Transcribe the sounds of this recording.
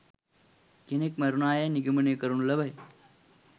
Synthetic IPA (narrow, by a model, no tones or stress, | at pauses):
kenekmɐɾunaːjɐniɡimɐnekɐɾunlɐbɐj